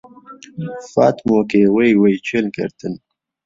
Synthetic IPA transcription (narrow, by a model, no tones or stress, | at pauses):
fɑ̰ːt̪moːkewəjwəjt͡ɕelkɐ̰ɾt̪ən